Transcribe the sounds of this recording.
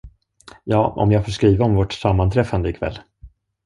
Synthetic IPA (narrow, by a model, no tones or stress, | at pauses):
jɑːɔ̰mjɑːɡfoːʂkɾiːvaɔmvɔʈsamːant̪ʰɾɛfand̪əɪkʰvɛ̰lː